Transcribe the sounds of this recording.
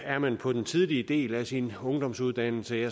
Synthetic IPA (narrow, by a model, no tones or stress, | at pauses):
æɐmænpʰɒ̽d̥ent͡sʰiðˠliəd̥e̝̰ːlæsinɔ̽ŋd̥ɒ̽m̰suð̞ˠd̥æn̰l̩səɐ